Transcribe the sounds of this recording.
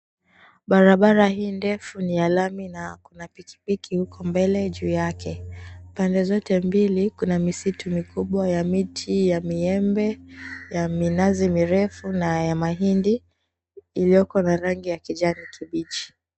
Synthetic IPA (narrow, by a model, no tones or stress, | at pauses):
ɓaɾaɓaɾahiːndɛfunijalaminakunapikʰi̥pikihukɔmbɛlɛʄuːjakɛpandɛzɔtɛmbilikunamisitʰumikuɓwajamitʰijamiɛmbɛjaminazimiɾɛfunajamaɦindi | ilijɔkanaɾaŋɡijakiʄanikʰiɓit͡ʃi̥